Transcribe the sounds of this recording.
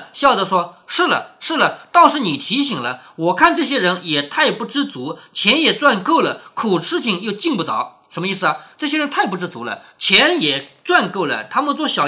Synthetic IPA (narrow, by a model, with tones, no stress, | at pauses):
ɕjɑ˥˩ʊd̪ə˧˥ʂwɔ˥ʂɻ̩˥˩lə̰˩ʂɻ̩˥˩lə˩t̪ɑ˥ŋʂɻ̩˧˥ni˨˩t̪ʰi˧˥ɕi˨˩ŋlə̰˦wɔ˨˩kʰa˥˧nʈ͡ʂɤ˥˩ɕ̬jɛ˥ɻə˧˥njɛ˨˩t̪ʰa˥˩ɪpu˥˩ʈ͡ʂɻ̩˥t͡su˧˥t͡ɕʰjɛ˧˥njɛ˨˩t͡swa˥˧nko˥˩ʊlə˩kʰu˨˩ʂɻ̩˥t͡ɕʰi˨˩ŋjo˥˧ʊt͡ɕi˥˧ŋpu˥˩t͡sɑ̰˨˩˦ʊ | ʂə˧˥nmə˧i˥˩s̬ɹ̩˩ɐ˩ʈ͡ʂɤ˥˩ɕjɛ˥ɻə˧˥nt̪ʰa˥˩ɪp̬u˥˩ʈ͡ʂɻ̩˥t͡su˧˥lə̰˧t͡ɕʰjɛ˧˥njɛ˨˩t͡swa˥˧nko˥˩ʊlə̰˩t̪ʰa˥mə˧˨nt͡swɔ˥˩ɕjɑ˨˩ʊ